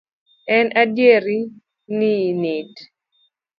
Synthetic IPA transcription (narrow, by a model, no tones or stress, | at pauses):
ɛnʔadjeɾi | ninɪd